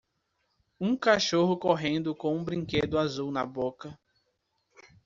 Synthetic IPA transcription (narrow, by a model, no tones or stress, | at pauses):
ũkaʃoɦʊkoɦẽnd̪ʊkõũbɾĩked̪ʊazuwnɐbokɐ